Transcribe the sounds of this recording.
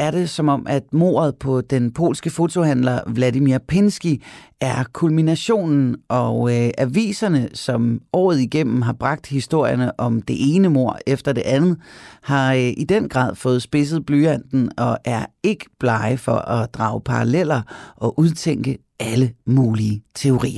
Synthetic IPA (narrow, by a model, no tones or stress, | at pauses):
æɐɾe̝sɒ̽mɒ̽m̰ʔæd̥mo̝̰ːɐð̞̩ˠpʰɒ̽d̥enpʰo̝̰ːlsɡ̥əfo̝t͡sʰo̝hæn̰lɐʋlædimiɐpʰensɡ̥iæɐkʰulminæɕo̝̰ːnn̩ʔɒ̽ʔæʋḭːsɐnəsɒ̽mɒ̰ːð̞̩ˠiɡ̥em̰m̩ɦɑ̈b̥ʁɑ̈ɡ̥̚d̥hisd̥o̝ɐ̰jɐnəʔɒ̽md̥e̝ʔe̝ːnəmo̝ɐ̰efd̥ɐd̥e̝ʔænð̩ˠhɑ̈ʔid̥enɡ̥ʁɑ̰̈ːð̰ˠfɔ̽ːð̩ˠsb̥e̝s̬ð̞̩ˠb̥lyːæn̰d̥n̩ɒ̽ʔæɐe̝ɡ̥ə̥b̥lɑ̈ɪfɒ̽ʔɒ̽d̥ʁɑ̰̈ːʊpʰɑ̈ʁɑlel̰ɐʔɒ̽ʔuð̞ˠt͡sʰeŋ̰ɡ̥ə | æləmuːliːət͡sʰe̝o̝ʁḭːɐ